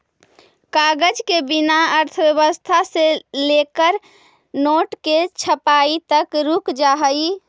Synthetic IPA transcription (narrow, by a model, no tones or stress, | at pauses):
kaɡəd͡ʒkebinaəɾt̪ʰəbjəβəst̪ʰaselekəɾ | noʈket͡ʃʰəpait̪əkɾukd͡ʒaɦəi